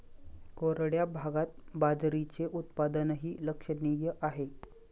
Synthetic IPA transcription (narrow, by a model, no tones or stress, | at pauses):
koɾəɽjabʱaɡat̪̚bad͡zɾit͡seʔut̪pad̪ənɦiːləkʂənijəʔaɦe